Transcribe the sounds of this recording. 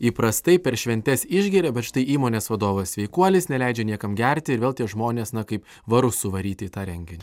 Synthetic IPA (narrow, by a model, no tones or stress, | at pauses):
iːpɾɐst̪ɐɪpʲɛɾʃʲʋʲɛnʲt̪ʲɛsɪʒʲɡʲiɾʲɛbʲɛt̪ʃt̪ɐɪʔiːmoːnʲeːsʋɐd̪oːʋɐsʲsʲʋʲɛɪkuɔlʲɪsnʲɛlʲɛɪd͡ʒʲɛnʲiɛkɐmɡʲɛɾʲt̪ʲɪɪɾʋʲeːlˠt̪ʲiɛʒmoːnʲeːsnɐkɐɪp | ʋɐɾʊssʊʋɐɾʲiːt̪ʲɪt̪ɑːɾʲɛŋʲɡʲɪnʲɪ